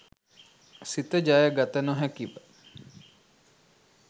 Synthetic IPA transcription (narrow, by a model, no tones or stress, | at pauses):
sit̪əd͡ʒajəɡat̪ənoɦækibə